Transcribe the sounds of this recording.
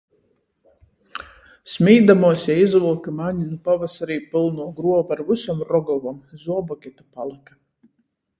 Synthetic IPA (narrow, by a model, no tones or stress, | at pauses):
smʲiːd̪amuɔsjaizvɨlˠkɨmaɲinupavasaɾiːpilˠnuɔɡɾuɔbaɾvusɔmɾɔɡɔvamzuɔbɔkʲɛt̪apalˠika